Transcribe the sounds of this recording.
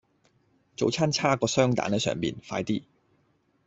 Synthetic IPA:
t͡so˨˧wt͡sʰaː˥nt͡sʰaː˥kɔː˧sœː˥ŋt̪a̰ː˨˥nɛ˥sœ̰ː˨˩ŋpḭː˨nfaː˧jt̪iː˥

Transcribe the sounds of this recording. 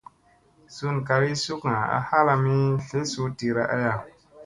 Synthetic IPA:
su˦nka˧ɾi˦su˦kŋa˨a̰˦ha˦la˧mi˦fe˦su˦ti˧ɾa˦ʔa̰˦ja˨

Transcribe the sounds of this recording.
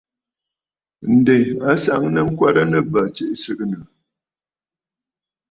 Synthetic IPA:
n̩˨de˨a˦sa˨ʔŋnə˦ŋ̩˦kwa˦ɾə˦nə˨ba˨t͡ʃe˦ʔsɨ˦kə˦nə˨

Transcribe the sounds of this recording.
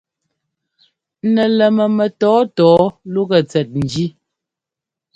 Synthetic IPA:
nɛ˨lɛ˨mə˨mɛ˨tɔː˨˦tɔː˨˦lu˦ɣɛ˨t͡sɛ˨t̚n̩˨d͡ʒi˦

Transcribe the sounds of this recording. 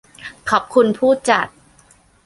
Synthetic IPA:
kʰɔː˨˩p̚kʰu˧npʰuː˥˩t͡ɕa˨˩t̪̚

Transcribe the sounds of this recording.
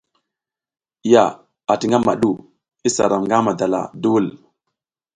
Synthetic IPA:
ja˨ | a˨ti˨ŋɡa˦ma˨ɗu˦˨ | i˦sa̰˨ɾa˨mŋɡa˦ma˨da˨la̰˨du˦u˦l

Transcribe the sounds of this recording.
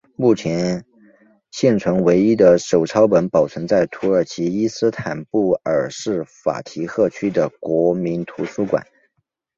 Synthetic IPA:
mu˥˩t͡ɕʰjɛ˧˥n | ɕjɛ˥˩nt͡sʰwə˧˥nwe˧˥ɪi˥d̪ə˨ʂo˨˩ʊʈ͡ʂʰɑ˥ʊpə˧˥npɑ˨˩ʊt͡sʰɤ˧˥ŋt͡sa˥˩ɪt̪ʰu˧˥ə˞˨˩t͡ɕʰi˧˥i˥sɹ̩˥t̪ʰa˨˩npu˥˩ə˞˨˩ʂɻ̩˥˩fa̰˨˩t̪ʰi˧˥xɤ˥˩t͡ɕʰy˥d̪ə˨kwɔ˧˥mi˧˥nt̪ʰu˧˥su˥kwa̰˨˩˦n

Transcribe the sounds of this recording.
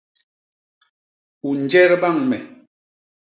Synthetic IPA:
u˨n̩˨d͡ʒɛ˦ɾba˦˨ŋmɛ˨

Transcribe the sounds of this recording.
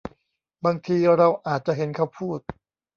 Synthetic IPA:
baː˧ŋt̪ʰiː˧ɾa˧wʔaː˨˩t̪̚t͡ɕa˨ʔɦe˩˦nkʰa˥˩wpʰuː˥˩t̪̚

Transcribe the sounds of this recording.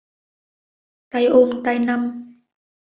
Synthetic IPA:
t̪a˧jʔo˧ŋt̪a˧jna˧m

